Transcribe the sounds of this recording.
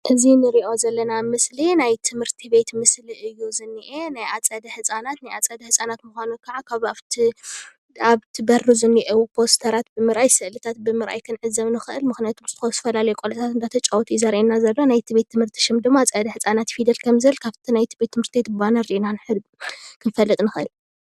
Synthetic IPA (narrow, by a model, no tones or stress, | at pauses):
ʔɨzinɨɾiʔo̞zɐlːɐnamɨslinajt̪ʰɨmhɨɾt̪ʰiβe̞t̪mɨsliʔɨjːuzɨnːiʔenajat͡sʼɐd̪ɐħɨt͡sʼanat̪najat͡sʼɐd̪ɐhɨsʼanat̪muxʷanukʰaʕakʰaβaβt̪ʰi | aβt̪ʰibɐruzɨnːiʔewupʰo̞st̪ʰɐɾat̪̚bɨmɨɾʔajsɨʔlɨt̪ʰat̪̚bɨmɨɾʔa̰jkʰɨnʕɨzːɐβnɨxɨʔɨlmɨxnijat̪ʰumsɨt̪ʰɨxost̪ɐfɐlalɐjukʼolɐt̪ʰat̪ɨnd̪at̪ʰɐt͡ʃʼawɔt̪ʰuzaɾʔenazɐlːonajt̪ʰiβe̞t̪ʰːɨmhɨɾt̪ʰi̥ʃɪmd̪ɨmːat͡sʼɐd̪ɐħɨt͡sʼanat̪fid̪ɐlkʰɐmzɨɨlkʰaβt̪ʰinajt̪ʰibet̪ʰːɨmhɨɾt̪ʰibet̪̚bɨbanɐɾiʔnanħɨd̪bkʰɨnfɐlːɨt̪ʼnɨxɨʔɨ̰l